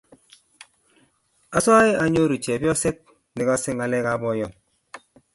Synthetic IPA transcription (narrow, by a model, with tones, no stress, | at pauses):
a˦sa˦i˦a˨˦ɲo˦ɾi˨t͡ʃɛ˨pjɔ˦se˦t̚ | ni˨ka˦sɪ˦ŋa˨lɛ˦ka˦bɔ˦jɔ˨ŋ